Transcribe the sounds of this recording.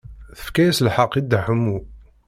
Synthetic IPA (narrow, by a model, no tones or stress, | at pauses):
θə̥fkæjæsəlħɑqːid̪aħəmːu